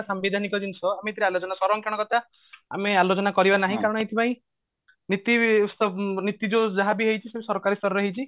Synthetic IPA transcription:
sambed̪ʱanikɔd̪insɔamet̪ʰiɾialot͡ʃɔnasɔɾɔŋkaɽ̃ɔkɔt̪a | a̰mealot͡ʃɔnakɔɾibanaɦĩkaɾɔɽ̃ɔet̪ʰipãĩ | nit̪isɔnit̪id͡ʒod͡ʒaɦabiɦejt͡ʃʰisebsɔɾkaɾist̪ʰɔɾɔɾɔɦit͡ʃʰi

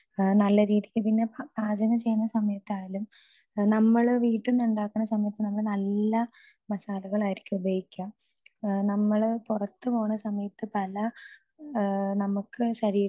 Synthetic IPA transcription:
nɐlːɐɾiːðikʲːɨpinːe̞baːd͡ʑɐŋɐt͡ɕejːɐnːɐsɐmɐjɐt̪ːaːlum | nɐmːɐɭʋiːʈːunːuɳɖaːkːɐnɳːɐsɐmɐjɐt̪ːɨnɐmːɐɭnɐlːɐ | mɐsaːlɐɣɐɭaːjiɾikʲːɨubʱɐjikʲːaːm | nɐmːɐɭpurɐt̪ːɨpo̞ːɳɐsɐmɐjɐt̪ːɨpɐlɐ | nɐmukːɨɕɐɻiː

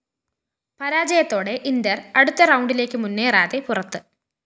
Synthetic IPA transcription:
pɐɾaːd͡ʑɐjɐt̪ːo̞ːɽe̞ʔind̪ɐrɐɽut̪ːɐrɐwɳɖile̞ːkːɨmunːeːraːðepurɐt̪ːɨ

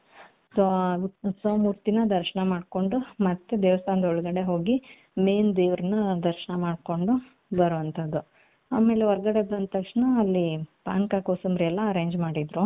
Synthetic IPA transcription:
sosoːmuːɾt̪inɐd̪ɐɾʃɐɳɐmaːɖko̞ɳɖumɐt̪ːed̪eːʋɐst̪ʰaːnɐd̪ɐɔɭɡɐɽe̞ɦo̞ːɡi | meːnd̪eːʋɾɐnɐd̪ɐɾʃɐɳɐmaːɖko̞ɳɖu | bɐɾuːʋɐnt̪ʰɐd̪ːu | aːme̞ːleɔɾɡɐɽebɐnt̪ɐkʂɳɐːlːipaːŋkakoːsɐmɾiɛlːɐːɾeːɲd͡ʒmaːɽid̪ɾu

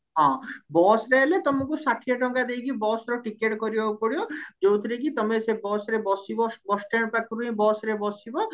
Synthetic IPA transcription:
ɦɔ̃bɔsɾelet̪ɔmɔkusaʈʰijɔʈɔŋkad̪ejkibɔsɾɔʈikeʈkɔɾibaupɔɽijod͡ʒowt̪ʰɾikit̪ɔmesebɔsɾebɔsibɔbɔsʈeɽpakʰiɾuɦĩbɔsɾebɔsibɔ

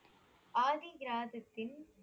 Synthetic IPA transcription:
ʔaːðiɡɾaːðɐt̪ːɪn

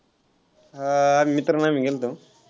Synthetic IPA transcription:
mit̪ɾɐnamiɡelt̪u

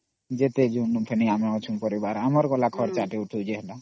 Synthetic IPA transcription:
d͡ʒet̪ed͡ʒunuʈʰɛniamɛɔt͡ʃʰumpɔɾibaɾamɔɾkɔlakʰɔɽt͡ʃaʈeuʈʰud͡ʒɛɦɛda

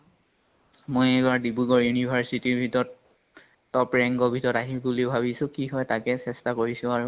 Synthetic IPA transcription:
mojɛbaɹdibuɡɔɹjunibʱaɹsitiɹbʱitɔɹɔtː | ɔpɹɛŋɡɔbʱitɔɹɔtaɦibuliʊbʱabisʊ̃kiɦɔjtakɛsɛstakoɹisʊ̃aɹu

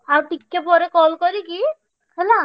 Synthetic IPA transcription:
awʈikːepɔɾekɔlkɔɾiki | ɛla

